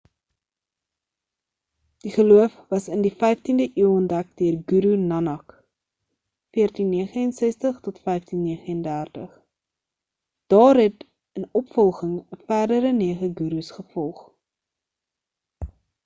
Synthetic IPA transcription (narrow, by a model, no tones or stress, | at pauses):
d̥iχəluəfvɐsəndifɛjftindəʔiəwɔndækdiərɡuɾunɐnɐk | fiərtinːiəχəənsɛstəχtɔtfɛjftinːiəχəəndærtəχ | d̥ɑːrɦɛt | ənɔpfɔlˠχəŋəfæːrdəɾəniəχəɡuɾusχəfɔlˠχ